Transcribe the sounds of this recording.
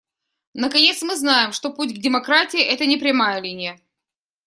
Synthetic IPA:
nəkɐnʲe̞t̪smɨznajɪmʂt̪o̞putʲɡdʲɪmɐkɾatʲɪɪʔɛt̪ənʲɪpɾʲɪmajəlʲinʲɪjə

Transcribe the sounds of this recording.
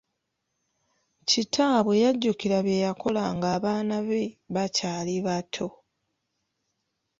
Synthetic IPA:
citʰaːβwejaɟːukiɾaβejako̞laŋɡaːβaːnaβe̞βacaːliβatʰo̞

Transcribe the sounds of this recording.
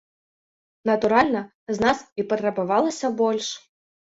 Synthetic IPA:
nɐt̪uɾalʲnɐ | znasipɐt̪ɾɐbavalˠɐsʲɐbɔlʲʂ

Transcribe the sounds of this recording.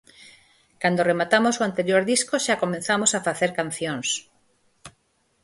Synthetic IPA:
kand̪oremat̪amosoant̪eɾjoɾðiskoʃakomẽn̟θamosafaθeɾkan̟θjõŋs

